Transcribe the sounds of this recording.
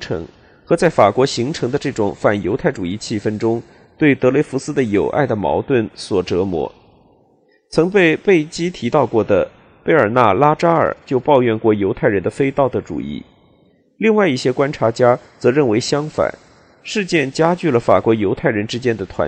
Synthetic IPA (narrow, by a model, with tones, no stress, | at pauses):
ʈ͡ʂʰɤ̰˧˥ŋ | xɤ˧˥t͡sa˥˩ɪfa˨˩kwɔ˧˥ɕi˧˥ŋʈ͡ʂʰɤ˧˥ŋd̪ə˧ʈ͡ʂɤ˥˩ʈ͡ʂʊ˨˩˦ŋfa˥˩njo˧˥a˥˩ɪʈ͡ʂu˨˩i˥˩t͡ɕʰi˥˩fə˥nʈ͡ʂʊ˥ŋ | t̪we˥˩ɪt̪ɤ˧˥le˧˥ɪfu˧˥sɹ̩˥d̪ə˨jo˨˩ʊʔa̰˥˩ɪd̪ə˩mɑ̰˧˥ʊt̪wə˥˩nswɔ˨˩ʈ͡ʂɤ˧˥mwɔ̰˧˥ | t͡sʰɤ˧˥ŋpe˥˧ɪpe˥˩ɪt͡ɕi˥t̪ʰi˧˥t̪ɑ˥˧ʊkwɔ˥˩d̪ə˩ | pe˥ɪə˞˨˩na˥˩la˥ʈ͡ʂa˥ə̰˞˨˩t͡ɕjo˥˧ʊpɑ˥˧ʊjɥɛ˥˧nkwɔ˥˩jo˧˥ʊt̪ʰa˥˩ɪɻə˧˥nd̪ə˧fe˥ɪt̪ɑ˥˩ʊd̪ə˩ʈ͡ʂṵ˨˩ḭ˥˩ | li˥˧ŋwa˥˧ɪi˥˩ɕjɛ˥kwa˥nʈ͡ʂʰa˧˥t͡ɕja˥t͡sɤ˧˥ɻə˥˩nwe˧˥ɪɕjɑ˥ŋfa̰˨˩˦n | ʂɻ̩˥˧t͡ɕjɛ˥˩nt͡ɕja˥t͡ɕy˥˩lə˩fa̰˨˩kwɔ˧˥jo˧˥ʊt̪ʰa˥˩ɪɻə˧˥nʈ͡ʂɻ̩˥t͡ɕjɛ˥nd̪ə˨t̪ʰwa̰˧˥